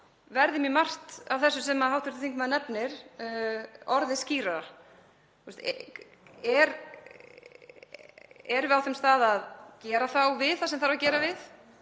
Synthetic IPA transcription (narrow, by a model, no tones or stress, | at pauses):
vɛɾðɪmjɛmar̥t̪avθɛsːʏsɛmahawht̪ʏ̥ɾt̪ɪ̥θiŋkmaðɪnɛpnɪɾ̥ | ɔɾðɪsciːɾaɾa | ust̪ | ɛɾ | ɛɾvɪawθɛmst̪aːðaðcɛːɾaθawvɪðθasɛmθaɾvacɛːɾavɪθ